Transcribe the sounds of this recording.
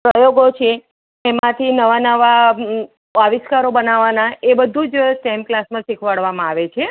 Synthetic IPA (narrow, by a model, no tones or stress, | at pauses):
pɾəjoɡot͡ʃʰeː | mãt̪ʰinəʋanəʋa | aʋɪskaɾobənaʋanaebəd̪ʱũd͡ʒsʈɛm̚klasmãsikʰʋaɽʋamãaʋet͡ʃʰe